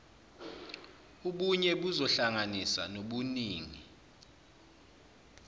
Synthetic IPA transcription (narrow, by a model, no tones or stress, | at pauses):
uɓuɲɛɓuzɔɬaŋanisanoɓuniːŋi